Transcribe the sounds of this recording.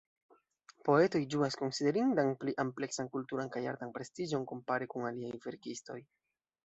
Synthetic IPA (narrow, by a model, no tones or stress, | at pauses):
po̞e̞to̞jd͡ʒuasko̞nside̞ɾindanpliʔample̞ksankultuɾankaja̰ɾtanpɾe̞stid͡ʒo̞nko̞mpaɾekunaliajve̞ɾkisto̞j